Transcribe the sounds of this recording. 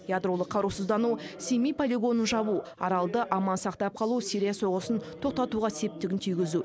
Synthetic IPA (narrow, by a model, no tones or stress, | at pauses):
jad̪ɾo̞lˠəqʰːɑɾusəzd̪ɑnusemijpʰolʲiɡo̞nənʒɑβuɑɾɑlˠd̪əʔɑmɑnsɑqt̪ɑp̚qʰɑlˠusiɾijaso̞ʁəsənt̪ʰo̞q̚t̪ɑt̪uʁɑse̞p̚t̪ɪɡʲɪnt̪ʰijɡʲɪzu